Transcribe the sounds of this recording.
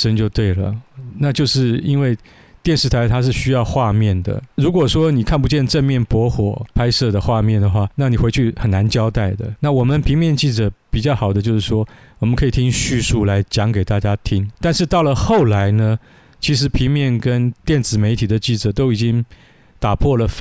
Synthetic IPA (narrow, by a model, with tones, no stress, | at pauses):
ʂə˥nt͡ɕjo˥˧ʊt̪we˥˩ɪlə̰˩na˥˧t͡ɕjo˥˧ʊʂɻ̩˥˩i˥nwe˥˧ɪ | t̪jɛ˥˧nʂɻ̩˥˩t̪ʰa˧˥ɪt̪ʰa˥ʂ̬ɻ̩˥˩ɕy˥jɑ˥˧ʊxwa˥˧mjɛ˥˩nd̪ə̰˩ɻu˧˥kwɔ˨˩ʂwɔ˥ni˨˩kʰa˥˩npu˧˥t͡ɕjɛ˥˧nʈ͡ʂə˥˧nmjɛ˥˩npwɔ˧˥xwɔ˨˩pʰa˥ɪsɤ˥˩d̪ə˩xwa˥˧mjɛ˥˩nd̪ə˩xwa˥˩na˥˩ni˨˩xwe˧˥ɪt͡ɕʰy˥˩xə˨˩na˧˥nt͡ɕjɑ˥ʊt̪a˥˩ɪd̪ə˩na˥˩wɔ˨˩mə˦npʰi˧˥ŋmjɛ˥˧nt͡ɕi˥˩ʈ͡ʂɤ˨˩pi˨˩t͡ɕjɑ˥˩ʊxɑ˨˩ʊd̪ə˦t͡ɕjo˥˧ʊʂɻ̩˥˩ʂwɔ˥ | wɔ˨˩mə˦nkʰɤ˧˥i˨˩t̪ʰi˥ŋɕy˥˧su˥˩la˧˥ɪt͡ɕjɑ˧˥ŋke˨˩ɪt̪a˥˩t͡ɕja˥t̪ʰi˥ŋt̪a˥˧nʂɻ̩˥˧t̪ɑ˥˩ʊlə˩xo˥˩ʊla˧˥ɪnə˧ | t͡ɕʰi˧˥ʂɻ̩˧˥pʰi˧˥ŋmjɛ˥˩nkə˥nt̪jɛ˥˩nt͡sɹ̩˨˩me˧˥ɪt̪ʰi˨˩d̪ə˦t͡ɕi˥˩ʈ͡ʂɤ˨˩t̪o˥ʊi˨˩t͡ɕi˥ŋ | t̪a˨˩pʰwɔ˥˩lə˩f